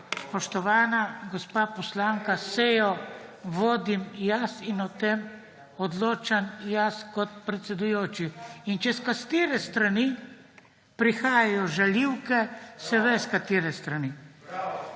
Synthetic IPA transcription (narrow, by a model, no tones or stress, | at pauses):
spɔʃt̪ɔʋaːnaɡɔspaːpɔslaːŋkaseːjɔʋoːd̪imjasinɔt̪em | ɔd̪loːt͡ʃanjaskɔt̪̚pɾɛt̪sɛd̪ujoːt͡ʃiint͡ʃɛskast̪eːɾɛst̪ɾani | pɾixaːjajɔʒaljiwkɛsɛʋɛskat̪iːɾɛst̪ɾani